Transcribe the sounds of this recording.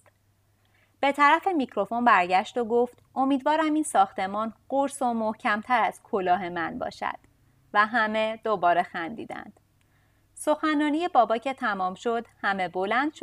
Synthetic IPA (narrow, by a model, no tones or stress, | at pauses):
b̥e̞t̪ʰæɾæfe̞micʰɾo̞fo̞nbæɾɟæʃt̪o̞ɡo̞ft̪ʔo̞miːd̪vɒːɾæmiːnsɒːxt̪e̞mɒːnɢoɾso̞mohcʰæmt̪ʰæɾæz̥kʰo̞lɒːɦe̞mænbɒ̰ːʃæ̰d̪̥ | væɦæme̞d̪obɒːɾe̞xænd̪ḭːd̪æ̰nd̪̥ | so̞xænːɒːnije̞bɒːbɒːcʰe̞t̪ʰæmɒːmʃo̞d̪hæme̞bo̞lænd̪̥ʃ